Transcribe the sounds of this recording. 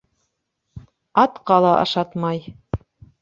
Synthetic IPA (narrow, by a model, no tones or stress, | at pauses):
ɑt̪qɑlˠɑʔɑ̰ʃɑt̪mɑj